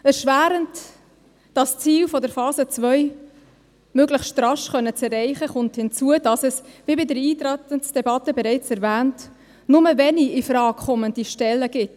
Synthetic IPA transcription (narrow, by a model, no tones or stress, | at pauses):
əsʃʋæːɾənt | d̥ɑst͡siːlfɔdəɾfɑːzət͡svœʏ | møːɡləχsʃtɾɑʃχœnːət͡sɛrːɛɪχəχʊnthɪnt͡suəd̥ɑsɛsvibɪdəɾiːtɾætənsd̥ɛbɑtəbɛɾɛɪt͡sɛɾvæːnt | nʊməvɛniɪfɾɑːkʰχɔməndiʃtɛlːəɡ̥ɪt